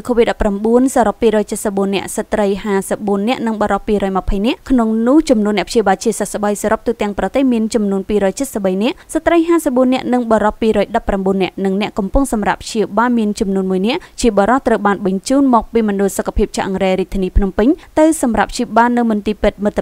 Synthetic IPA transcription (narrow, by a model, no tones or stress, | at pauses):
kʰoːʋit̪̚ɗɑpːramɓuənsaːɾopːiːɾɔːjt͡ɕət̪̚səp̚ɓuənːɛ̆əʔsat̪rəjɦaːsəp̚ɓuənːɛ̆əʔnɨŋɓɑɾɑpːiːɾɔːjməpʰəjnɛ̆əʔkʰnoŋnʊəht͡ɕɑmnuənːɛ̆əpʰɕiəɓaːlt͡ɕiəsahsəɓəjsaːɾop̚t̪uːt̪ɛ̆əŋprɑt̪eːhmiənt͡ɕɑmnuənpiːɾɔːjt͡ɕət̪̚səp̚ɓəjnɛ̆əʔsat̪rəjɦaːsəp̚ɓuənːɛ̆əʔnɨŋɓɑɾopːiːɾɔːjɗɑpːramɓuənːɛ̆əʔnɨŋnɛ̆əʔkɑmpʊŋsɑmra̰p̚pʰɕiəɓaːlmiənt͡ɕɑmnuənmuəjnɛ̆əʔt͡ɕiəɓɑɾɑht̪rəwɓaːnɓɑɲt͡ɕuːnmɔːk̚piːmɔnɗʊ̆lsokʰːḁpʰiəp̚t͡ɕʰaʔɑŋreːɾiət̪ʰːiəniːpʰnumpɨɲt̪ɨwsɑmrap̚p̚ʰɕiɓaːlnɨwmɨnt̪iːpɨt̪̚mɨt̪ʰː